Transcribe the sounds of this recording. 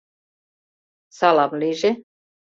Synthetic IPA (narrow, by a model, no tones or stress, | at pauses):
sɑlɑmliʒe